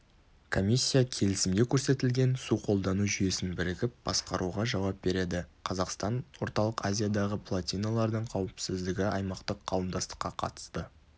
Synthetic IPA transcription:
kʰo̞mʲisʲːijakʲʰe̞lɪsɪmd̪e̞kʲʰɵɾse̞t̪ɪlɡʲe̞nsuqʰo̞lˠd̪ɑnuʒʏje̞sɪnbɪɾɪɡʲɪp̚b̥ɑ̰sqɑɾʔuʁɑʒɑwɑp̚be̞ɾe̞d̪ɪqʰɑzɑqst̪ɑnwo̞ɾt̪ɑlˠəqazʲijad̪ɑʁəpʰlˠat̪ʲijnalˠɑɾd̪əɴqʰɑwɪpsɪzd̪ɪɡʲɪʔɑjmɑqt̪əqʰːɑwəmd̪ɑst̪ə̥qːɑqʰɑ̰t̪ə̥st̪ə

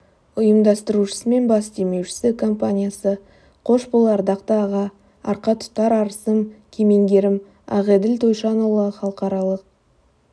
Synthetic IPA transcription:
ʊjəmd̪ɑst̪əɾuʃə̥səme̞nbɑsd̪e̞me̞wʃɪ̥sɪkʰo̞mpanʲijasə | qʰo̞ʃbəlˠɑɾd̪ɑqt̪əɑʁɑ | ɑ̰ɾqɑt̪ʰʊ̥t̪ːɑɾɑɾəsəmkʲʰeme̞ŋɡʲe̞ɾɪm | ɑ̰ʁed̪ɪlt̪ʰojʃɑnolˠɑχɑlˠəqɑɾɑlˠəq̚

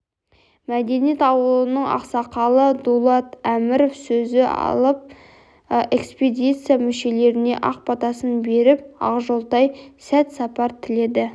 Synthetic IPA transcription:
mæd̪e̞nijet̪ɑwəlˠənəɴɑ̰qsɑqɑlˠəd̪ulˠɑt̪æmɪɾofsɵzɪɑ̰lˠəp̚ | e̞ksped̪ʲit̪sɨjamɪʃe̞le̞ɾɪne̞ʔɑ̰q̚pɑt̪ɑsənbe̞ɾɪp̚ɑ̰ʁʒo̞lˠt̪ɑjsæt̪sɑpɑɾt̪ʰɪle̞d̪ɪ

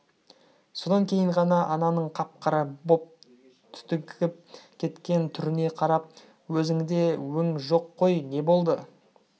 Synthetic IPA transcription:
so̞d̪ɑŋkʲʰe̞jɪɴʁɑnɑʔɑnɑnəɴqʰɑp̚qɑɾəbo̞p̚ | t̪ʰʏ̥t̪ɪkʲɪp̚kʲʰe̞t̪kʲe̞nt̪ʰʏɾɪne̞qʰɑɾɑp̚ | wɵzɪŋd̪e̞wɵŋʒo̞qʰːo̞jne̞bo̞lˠd̪ə

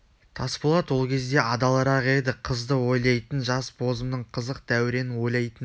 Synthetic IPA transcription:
t̪ʰɑsbolˠɑt̪wo̞lˠkʲʰe̞zd̪e̞ʔɑd̪ɑlˠɑɾɑqe̞d̪ɪqʰəzd̪əwo̞jlˠɑjt̪ənʒɑsbʰo̞zəmnəɴqʰəzəq̚d̪̥æwɪɾe̞nɪwo̞jlˠɑjt̪ən

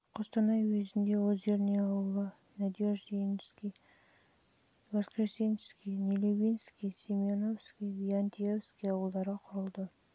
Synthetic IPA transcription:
qʰost̪ɑnɑjwezɪnd̪e̞wɵzʒe̞ɾɪneɑwəlˠə | nad̪ʲioʒd̪enskʲij | vaskrest̪inskʲijnʲelʲibʲijnskʲijsʲemionofskʲijvianʲt̪ʲijofskʲijɑwəlˠd̪ɑɾəqʰʊɾəlˠd̪ə

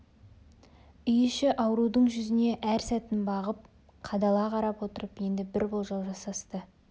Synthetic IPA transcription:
ʏjɪʃɪʔɑwɾud̪əɴʒʏzɪne̞ʔæɾsæt̪ɪnbɑʁəp̚ | qʰɑd̪ɑlˠɑqʰɑɾɑpwot̪əɾəpje̞nd̪ɪbɪɾbolˠʒolˠʒɑsɑst̪ə

